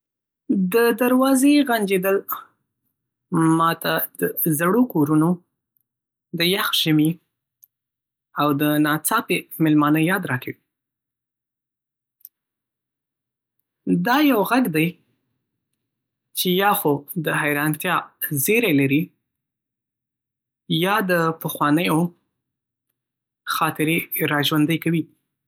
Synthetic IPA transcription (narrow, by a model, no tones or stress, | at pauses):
d̪əd̪aɾwɑzeɣand͡ʒed̪əl | mɑt̪ʰad̪əzaɽokoɾuno | d̪əjaxʒ̥əmi | awd̪ənɑt͡sɑpemɪlmɑnəjɑd̪ɾɑkawi | d̪ɑjawɣaɡd̪aj | t͡ʃejɑxod̪əɦajɾɑnt̪jɑzeɾajlaɾi | jɑd̪əpəxwɑnəjo | xɑt̪ɪɾeɾɑʒwand̪əjkawi